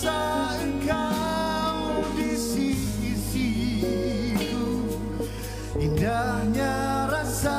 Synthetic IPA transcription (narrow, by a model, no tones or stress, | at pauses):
a | ika | wdisidisi | tu | indahɲaɾasa